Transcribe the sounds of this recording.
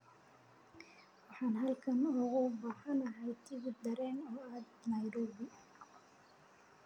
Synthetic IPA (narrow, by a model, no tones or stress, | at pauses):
wɑħɑːnɦɐlkʰɐnɔɣʊbɑːħɐnɐɦɛjt̪ʰɪɣʊd̪ɐɾɛːnɔːaːd̪nɐjɾɔːbɪ